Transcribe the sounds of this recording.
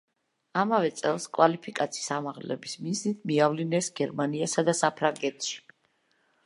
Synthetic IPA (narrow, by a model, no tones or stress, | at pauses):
amavɛt̪sʼɛlˠskʼwalipʰikʼat̪sʰiisamaʁlɛ̰bismiznit̪ʰmiavlinɛsɡ̥ɛɾmaniasad̪asapʰɾaŋɡɛt̪ʰʃi̥